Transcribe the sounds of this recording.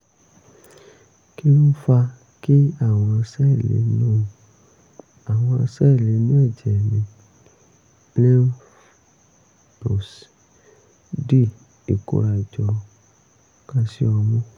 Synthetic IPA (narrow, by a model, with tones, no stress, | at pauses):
ki˦n̩˦fa˧ | ki˦a˦˨w̃ɔ̃˧a˧sɛ˦˨lḛ˨˦nõ˦˧ | a˨w̃ɔ̃˧a̰˧sɛ˦˨le˨˧nĩ˦ɛ˦˨d͡ʒɛ˨ɛ˨mĩ˨ | lɛ˦ | bo˨s | di˦˨ | e˨ko̰˦ɾa˧i˨d͡ʒɔ˧ | ka˧si˦ɔ˧mɔ̃˦